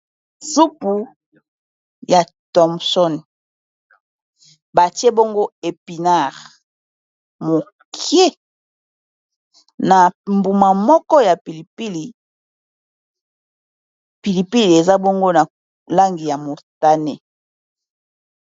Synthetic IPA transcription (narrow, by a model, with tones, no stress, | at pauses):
su˦pu˨ | ja˨ | tɔ˨msɔ˦n | ba˨ti˦e˦bo˦ŋɡo˦e˨pi˨na˦˨ʁ | mo˨ | kʰje˦ | na˨mbu˨ma˨mɔ˦kɔ˦ja˨pi˨li˨pi˦li˨ | pi˨li˨pi˦li˨e˨za˦bo˦ŋɡo˦na˨ | la˦ŋɡi˨ja˨mo˨ta˦ne˨